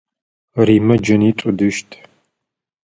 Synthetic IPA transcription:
riːmɐd͡ʒɐniʈ͡ʂʼʊdɨʃtʰ

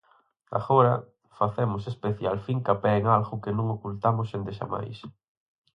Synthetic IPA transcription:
a̰ɣoɾɐ | faθɛmʊsespeθjalfiŋkapɛeŋalɣʊkenũŋokult̪amʊsend̪eʃa̰ma̰js

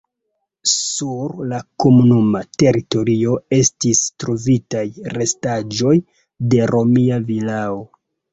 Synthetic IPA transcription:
suɾlako̞munumate̞ɾito̞ɾio̞e̞stistɾo̞vitajɾe̞stad͡ʒo̞j | de̞ɾo̞miavilao

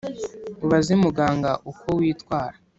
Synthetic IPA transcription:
uβazimuɡaːŋɡaʔukowiːtwaːɾḁ

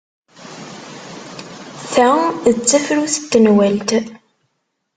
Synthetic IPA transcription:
θæðt͡sːəfɾuθə̥t̪ːənwælt̪

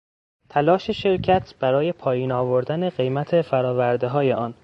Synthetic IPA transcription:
t̪ʰælɒːʃe̞ʃe̞ɾcʰæt̪ʰb̥æɾɒːje̞pʰɒːjiːnɒːvo̞ɾd̪æneɢe̞jmæt̪ʰefæɾɒːvæɾd̪e̞ɦɒːje̞ʔɒːn

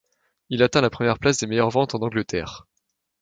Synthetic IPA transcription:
ilat̪ɛ̃lapχəmjɛʁplasd̪emejœʁvɑ̃t̪ɑ̃nɑ̃ɡlət̪ɛːʁ

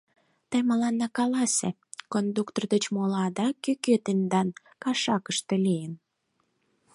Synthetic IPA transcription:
t̪əjməlɑnːɑkɑlɑse | kond̪ukt̪ord̪ət͡ɕmolɑd̪ɑkykøt̪end̪ɑn | kɑʃɑkəʃt̪elijən

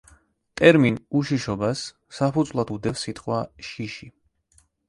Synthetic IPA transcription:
t̪ʼɛɾminuʃiʃɔbasː | apʰud̪zvlˠad̪ud̪ɛfsit̪ʰʼqʼwaʃiʃi

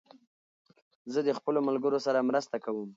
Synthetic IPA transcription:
zəd̪əxpəlomalɡəɾosaɾamɾəst̪akawəm

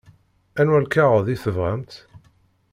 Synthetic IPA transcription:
ænwælkæʁəðiθəvʁæmt̪

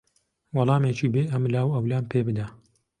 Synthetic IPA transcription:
wɑlˠɑːmeːt͡ʃʰiːbeːʔɐmlaːwɐwlaːnpʰeːbɨd̪ɐ

